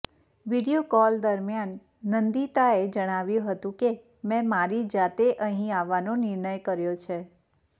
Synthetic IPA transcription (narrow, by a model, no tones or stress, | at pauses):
ʋiɽijokɔld̪əɾmjanː | ənd̪it̪aed͡ʒəɽ̃aʋjũɦət̪ũke | mɛ̃maɾid͡ʒat̪eʔəɦĩaʋːanonɪɾɳəjkəɾjot͡ʃʰe